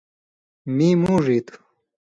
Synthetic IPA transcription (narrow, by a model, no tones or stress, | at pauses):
miːmũːʐit̪